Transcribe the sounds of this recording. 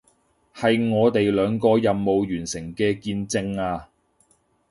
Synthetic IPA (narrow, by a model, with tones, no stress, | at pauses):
hɐ˨jŋɔː˨˧t̪e˨jlœː˨˧ŋkɔː˧jɐ˨mːo˨wjyː˨˩nsɪ˨˩ŋkɛː˧kiː˧nt͡sɪ˧ŋaː˧